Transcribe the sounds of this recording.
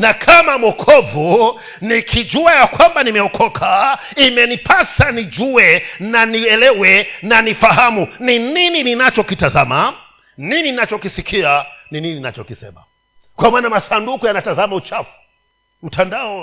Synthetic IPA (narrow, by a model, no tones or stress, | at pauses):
nakʰamamɔkʰɔvu | nikʰid͡ʒuajakwambanimɛɔkʰɔkʰa | imɛnipʰasanid͡ʒuwɛnaniɛlɛwɛnanifaɦamunininininat͡ʃɔkitazama | nininat͡ʃɔkisikʰianinininina̰t͡ʃɔkisɛ̰ma̰ | kwamaːnamasandukujanatazamaut͡ʃafu̥ | m̩tandaɔ